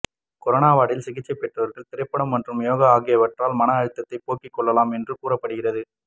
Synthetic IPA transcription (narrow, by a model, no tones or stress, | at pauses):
kɔɾɐnaːʋaːɽɪlsɪɣɪt͡ʃːɐɪpːɛʈrɐʋɐɾɣɐɭt̪ɪɾɐɪpːɐɽɐmːɐndrɯmjoːɣɐaːɣɪjɐʋɐʈraːlmɐnɐɐɻɯt̪ːɐt̪ːɐɪpoːkːɪkːɔɭːɐlaːmɛndrɯkuːɾɐpːɐɽɯɣɪrɐðɯ